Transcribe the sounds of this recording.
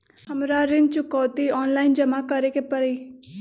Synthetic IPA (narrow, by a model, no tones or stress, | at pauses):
həmɾaɾɪn̚t͡ʃʊkɔːt̪iɔːnlaːind͡ʒəmakəɾekepəɾiː